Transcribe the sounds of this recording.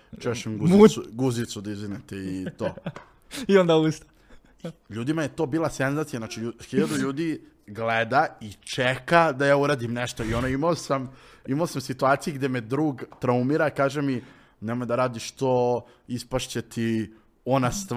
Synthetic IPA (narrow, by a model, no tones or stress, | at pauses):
t͡ʃeeʃimɡuzuɡuzit̪sud̪aizʋinet̪eit̪o | iond̪aust̪ḁ | ʎuːd̪imajet̪o̞ːbiːlˠasenzat̪ijanat͡ʃiʎuxiʎʎad̪uʎuːd̪i | ɡled̪ait͡ʃekad̪ajauɾaːd̪imneʃt̪o̞io̞noimaosamimaosamsit̪uaːt̪sijuɡd̪e̞me̞d̪ɾuːɡt̪ɾaumiɾakaːʒemi | nemojd̪aɾaːd̪iʃt̪o | ispaʃt͡ɕat̪i | o̞nast̪